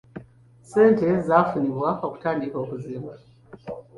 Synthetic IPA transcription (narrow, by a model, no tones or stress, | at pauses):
se̞ːnte̞zafuniβwaoku̥taːndiko̞ːkuziːma